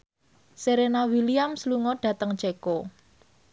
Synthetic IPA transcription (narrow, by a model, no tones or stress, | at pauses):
seɾenawiliamsluŋɔɖ̥ä̤t̪əŋd̥ʒ̥eko